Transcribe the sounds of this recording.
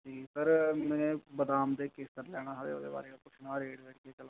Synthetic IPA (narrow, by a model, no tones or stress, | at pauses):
d͡ʒiːsəɾmɛ̃ːnẽːbəd̪aːmd̪eːkeːst̪əɾlɛːɽ̃aːɦəʋḛːo̰ːd̪ḛːba̰ːɾeːapʊt͡ʃʰnaːɾeːɖʋɛːʈkeːt͡ʃəla